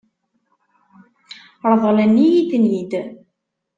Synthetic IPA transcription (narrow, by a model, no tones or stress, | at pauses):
ɾðˤəlænːijid̪nid̪